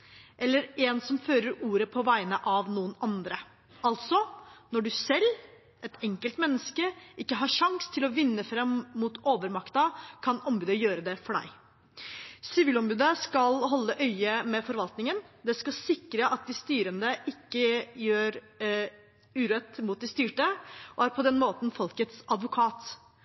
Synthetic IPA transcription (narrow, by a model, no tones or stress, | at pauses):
ʔɛlːəɾɛnsɔmføːɾəɾuːɾəpʰɔʋæɪnəʔɑʋnuːənɑnd̪ɾə | ɑlt̪sɔnɔɖʉsɛlː | ʔɛt̪ɛŋkəlt̪mɛnːəskəʔɪkːəɦɑʂɑŋst̪ʰɪlɔʋɪnːəfɾɛmːut̪ʰoːʋəɾmɑkt̪ɑkʰɑnɔmbʉːd̪əjøːɾəd̪ɛfɔɖæ̰ɪ | sɪʋiːlɔmbʉːd̪əskɑlɦɔlːəʔœʏəmɛfɔɾʋɑlt̪nɪŋənd̪ɛskɑsɪkɾəʔɑt̪̚d̪ɪst̪yːɾənd̪əʔɪkːəjøːɾ | ʉːɾœt̪ːmuːt̪̚d̪ɪst̪yːʈəʔɔæɾpʰɔd̪ɛnmoːt̪nfɔlkət̪sɑd̪ʋʊkʰɑːt̪